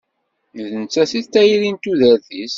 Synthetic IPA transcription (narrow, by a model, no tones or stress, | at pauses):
ðənt͡sːæsit̪ːæjiɾint̪uðæɾθis